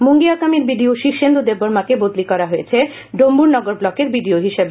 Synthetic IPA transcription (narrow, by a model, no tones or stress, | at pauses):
moŋɡiakamiɾbiɖioʃikʃend̪od̪eboɾmakebod̪likɔɾaɦojet͡ɕʰe | ɖombuɾnɔɡoɾblɔkeɾbiɖioɦiʃeb